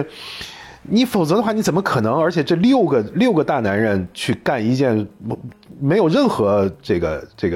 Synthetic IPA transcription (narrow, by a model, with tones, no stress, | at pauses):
ni˧˥fo˨˩ʊt͡sɤ˧˥d̪ə˧xwa˥˩n˧˥t͡sə˨˩mə˦kʰɤ˨˩nɤ˧˥ŋə˞˧˥t͡ɕʰjɛ˨˩ʈ͡ʂɤ˥˧ljo˥˩ʊɡə˩ljo˥˩ʊɡə˩t̪a˥˩na˧˥nɻə˥˧nt͡ɕʰy˥˧ka˥˩ni˧˥t͡ɕjɛ˥˧n | me˧˥ɪjo˨˩ʊɻə˥˩nxɤ˧˥ʈ͡ʂɤ˥˩ɡə̰˩ʈ͡ʂɤ˥˩ɡə˩